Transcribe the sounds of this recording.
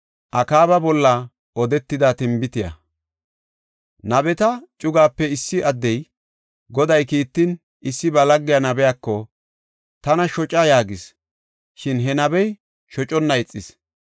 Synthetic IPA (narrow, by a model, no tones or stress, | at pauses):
ʔɐkaːβɐbɔlːɐ | ʔɔd̪ɛt̪ːɪd̪at̪ɪmbɪt̪ɪjɐ̰ | nɐbɛt̪ɐt͡ʃʼʊɡaːpːɛɪsːɪʔɐd̪ːɛj | ɡɔd̪ɐjkiːt̪ːɪn | ɪsːɪbɐlɐɡːɪjɐnɐbɛjakːɔ | t̪ɐnɐʃɔt͡ʃʼajaːɡɪs | ʃɪnɦɛnɐbɛj | ʃɔt͡ʃʼɔnːɐjɪt͡sʼːɪs